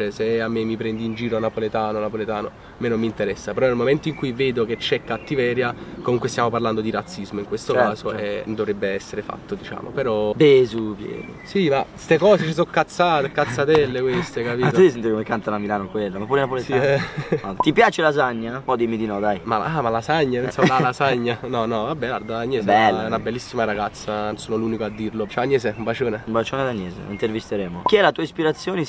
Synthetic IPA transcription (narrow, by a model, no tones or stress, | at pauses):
eseamːemːipɾɛnd̪iːnd͡ʒiːɾoanːapolet̪aːnonapolet̪aːno | menomːint̪eɾɛsːapeɾɔnelmoment̪oiŋkujveːd̪oket͡ʃːɛkːat̪ːivɛːɾjakomuŋkwest̪jamoparland̪od̪iɾat̪sːizmoiŋkwest̪okːaːzoed̪ovɾebːeɛsːeɾefa̰t̪ːod̪it͡ʃa̰ːmo̰peɾɔb̪ezupjɛ̰ːd̪osimast̪ekɔːset͡ʃis̬okːat̪sːaːt̪ekːat̪sːat̪ɛlːekwest̪ekapiːt̪uis̬ent̪ikomekːant̪anamilaːnokwelːamapuːɾenapoletɛat̪ipjaːt͡ʃelazaɲːaɔd̪imid̪inɔd̪ajma̰amalasaɲːapensamalasaɲːanɔnɔvabːɛlaɾd̪aaɲːeːsbɛlːaɛnabelːisːimaɾaɡat̪sːansoːnoluːnikoad̪ːiɾlot͡ʃɛaneːzeumbat͡ʃoːneumbat͡ʃoːnad̪anjɛːzḛint̪ervist̪eɾɛːmokiɛlat̪uːaispiɾat̪sːjoːne